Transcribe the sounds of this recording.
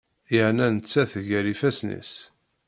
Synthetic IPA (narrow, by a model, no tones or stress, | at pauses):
jəʕnænət͡sːæθʝæɾifæsnḭs